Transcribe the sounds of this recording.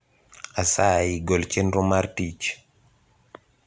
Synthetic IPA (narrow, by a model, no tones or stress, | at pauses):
asaiɡɔlt͡ʃɛnɾɔmaɾtit͡ʃ